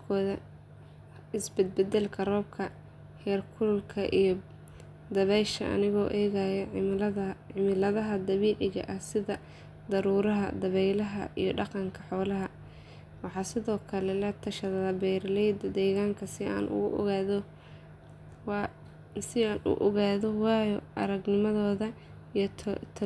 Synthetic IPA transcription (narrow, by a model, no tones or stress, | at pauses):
kʰɔːðɐ | ɪsbɛd̪̚bɛd̪ɛlkʰɐrɔːb̚kʰɐ | hɛːrkʰʊllkʰɐʔijɞ | d̪ɐβɛjʃɐ̰ʔɐ̰nɪɣɔːʔɛːɣajɐ | ɪmɪlɐðɐɦɐd̪ɐβiːlɪɣɐ̰ʔɐhsɪðɐ | d̪ɐɾuːɾɐɦɐ̰d̪ɐβɛjlɐɦɐ̰ḭjɞɖɑqɑŋkʰɐħɔːlɐɦɐ | wɑħɑːsɪðɔːkʰɐlɛlɛt̪ʰɐʃɐðɐðɐbɛjɾlɛjd̪d̪ɛːɣaːŋkʰɐsɪa̰ːnʔʊ̰ɣʊʔɔ̰ɣaːðɔ | w | sɪaːnʊ̰ʔɔɣaːðɔwɑːjɔʔɐ̰ɾɐɡnɪmɐðɔːðɐ | ijʰt̪ʰ